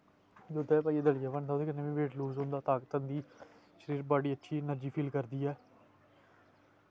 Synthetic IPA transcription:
d̪ʊd̪ɛːpaːieːd̪əljaːʋəːnt̪ʰãːd̪eːkənːeːʋĩːʋeːʈluːzɦʊ̃nd̪aːt̪aːkt̪ənd̪iː | ʃəɾiːɾbaːɖiːətːʃʰiːnəɾd͡ʒiːpʰiːlkəɾd̪iːɛː

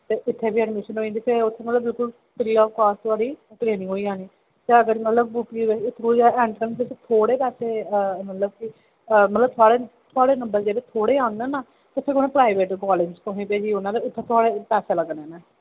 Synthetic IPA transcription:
t̪eːʔɪt̪ʰːeːbiːɛɖmɪʃənɦoːĩːnd̪iːpeʊt̪ʰːeːmət̪ləbɪlkʊl | pɪɾiːɔːʋkaːst̪ʰʊaːɽiːʈɾeːnɪ̃ŋɡɦoːiːãːniː | t̪eːəɡəɾmət̪ləbuːpiːʋɪt̪ʰːoːiaːɛ̃ːɳʈɾəɳbeːset̪ʰoːɽeːpɛːseːəmət̪ləb̚kɪ | əmət̪ləb̚t̪ʰʊaːɽeːt̪ʰʊaːɽeːnəmbəɾd͡ʒeːdeːt̪ʰoːɽeːãːʊneːnaː | t̪etʰːɪkoːnẽːpɾaːiʋeːʈɡɔːleɡspõɦẽːpeːd͡ʒiːʊnãːd̪eːʊt̪ʰːeːt̪ʰʊaːɽeːpɛːseːləɡnẽːnɛː

